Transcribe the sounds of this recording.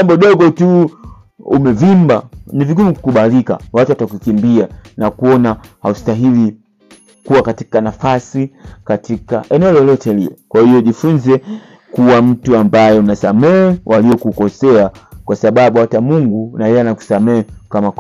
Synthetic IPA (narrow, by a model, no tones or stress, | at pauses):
ɛmbɔɗɔɡɔtu | umɛvimba̰niviɡumuku̥kuɓalika̰watuatakukimbianakuɔnahaustaɦili | kuwakatikanafasikatʰikaʔɛnɛɔlɛlɔtɛlḭlɛkwahijɔʄifunzɛ | kuwam̩tuambajɛunasamɛɛwaliɔkukɔsɛakwasaɓaɓuhatamuŋɡunaɛlanaku̥samɛɛkama